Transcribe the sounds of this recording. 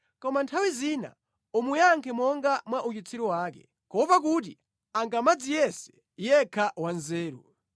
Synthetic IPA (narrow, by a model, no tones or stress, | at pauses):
kɔmantʰawizina̰ | umujaŋkʰɛmɔŋɡamwaʔut͡ʃit͡sʰiɾiwaːkɛ̰ | kɔpak̬ut̬i | aŋɡamad͡zijɛsɛ̥ | jɛkʰawanzɛːɾṵ